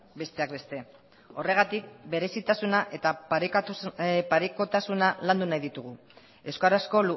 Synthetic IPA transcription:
be̞st̪e̞akbe̞st̪e̞ | o̞re̞ɣ̞at̪ik̚be̞ɾe̞sit̪asunaʔe̞t̪apik̪upaɾiko̞t̪asunaland̪unajðit̪uɣ̞u | e̞wskaɾasko̞lu

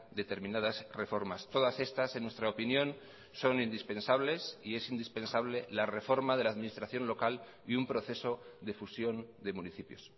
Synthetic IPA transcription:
d̪e̞t̪e̞ɾmĩnað̞asre̞fo̞ɾmast̪o̞ðase̞st̪ase̞nwe̞st̪ɾaopinjõ̞n | so̞nind̪ispe̞nsaβle̞sie̞sind̪ispe̞nsaβ̞le̞lare̞fo̞ɾmaðe̞laːðminist̪ɾaθjo̞nlo̞kal | iumpɾo̞θe̞so̞ðe̞fusjo̞nd̪e̞muniθipjo̞s

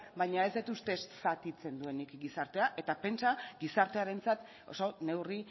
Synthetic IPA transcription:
bajɲae̞zd̪et̪ust̪e̞ssat̪it͡se̞nd̪ue̞nikɡisaɾt̪e̞aʔe̞t̪ape̞nt͡saɡisaɾt̪eaɾe̞nt͡sat̪ | osone̞wri

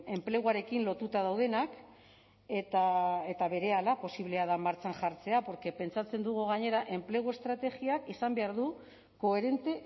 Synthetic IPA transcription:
e̞mple̞ɣuaɾe̞kinlo̞t̪ut̪að̞awð̞e̞nak | et̪aet̪aβe̞ɾe̞alapo̞siβle̞aðamaɾt͡sanʝaɾt͡se̞apo̞ɾke̞pe̞nt͡sat͡se̞nd̪uɣ̞uɣ̞aɲe̞ɾaʔe̞mple̞ɣ̞ue̞st̪ɾat̪e̞ɣiakisambe̞aɾðu | ko̞e̞ɾe̞nt̪e̞

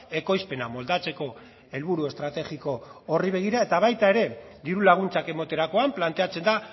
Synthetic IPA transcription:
e̞ko̞jspe̞namo̞ld̪at͡se̞ko̞ | e̞lβuɾue̞st̪ɾat̪eɣiko̞ːriβe̞ɣ̞iɾae̞t̪aβ̞ajt̪ae̞ɾe̞d̪iɾulaɣ̞unt͡sake̞mo̞t̪e̞ɾako̞amplant̪e̞at͡se̞nd̪a

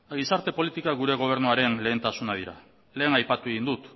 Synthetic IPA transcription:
ɣisaɾt̪e̞po̞lit̪ikaɣ̞uɾe̞ɣ̞o̞β̞e̞ɾnuaɾe̞nle̞ːnt̪asunað̞iɾa̰ | le̞ːnajpat̪ue̞ɣind̪ut̪

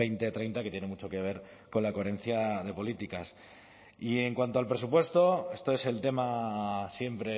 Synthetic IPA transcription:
ejnt̪e̞t̪ɾe̞jnt̪akeje̞ne̞mut͡ʃo̞ke̞β̞e̞ɾ | ko̞nlako̞eɾe̞n̟θjaðe̞po̞lit̪ikas | ie̞ŋkwant̪o̞alpɾe̞s̬upwe̞st̪o̞e̞st̪o̞e̞se̞lt̪e̞masje̞mpɾe̞

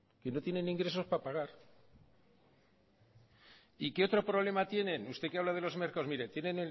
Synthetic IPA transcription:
ke̞no̞t̪je̞nẽ̞nĩŋɡɾe̞so̞spapaɣ̞aɾ | ikeo̞t̪ɾo̞pɾo̞βle̞mat̪je̞nẽ̞nust̪e̞keaβlaðe̞lo̞zme̞ɾkaozmiɾe̞t̪je̞nẽ̞ne

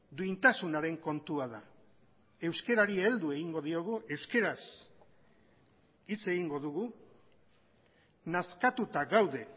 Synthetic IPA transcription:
d̪uint̪asunaɾe̞ŋko̞nt̪uaða | e̞wske̞ɾaɾield̪ue̞ɣiŋɡo̞ð̞io̞ɣ̞uʔe̞wske̞ɾas | it͡se̞ɣiŋɡo̞ðuɣu | naskat̪ut̪aɣawðe̞

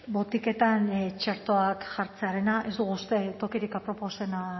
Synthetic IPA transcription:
bo̞t̪ike̞t̪ant͡ʃeɾt̪o̞akʝaɾt͡se̞aɾe̞naʔe̞zd̪uɣust̪e̞t̪o̞kiɾikapɾo̞po̞se̞na

